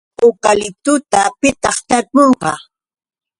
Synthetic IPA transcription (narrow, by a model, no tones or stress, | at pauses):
okalɪt̪ʊt̪apɪt̪ɑχt̪aɾpoɴɢɑ̰